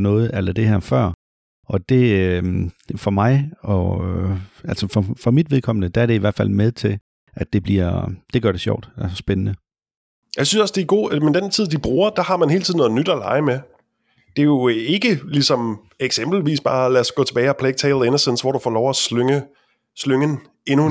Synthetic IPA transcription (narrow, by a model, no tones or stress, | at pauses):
nɔ̽ːð̩ˠælɐd̥e̝hæɐ̰fɶɐ̰ | ʔɒ̽d̥e̝ | fɒ̽mɑ̈ɪɒ | ælsəfɒfɒ̽mid̥ʋe̝ðˠkʰɒ̽m̰nəd̥ææɐɾ̥e̝iʋæɐd̥fæl̰með̞ˠt͡sʰe̝l | ʔæd̥e̝b̥liɐ̰d̥e̝ɡ̥ɶɐɾ̥e̝ɕjɒ̰ʊ̰d̥æssb̥enənə | jäɪsynsɒ̽sd̥eɡ̥o̝̰ːmend̥ent͡sʰið̞̰ˠd̥ib̥ʁuːɐd̥ɑ̈hɑ̈mænɦe̝ːlt͡sʰiðˠnɔ̽ð̩ˠnyd̥ælɑ̈ɪme | d̥e̝jo̝e̝ɡ̥əlisɒ̽m | eɡ̥semb̥l̩ʋḭːsb̥ɑ̈ːlæɐsɡ̥ɔ̰ːt͡sʰe̝bɛːɪɒpʰleɡ̥̚t͡sʰeɪlˠenɐsensʋɒɾ̥ufɒ̰ːlɒʊæsløŋə | sløŋən | e̝nu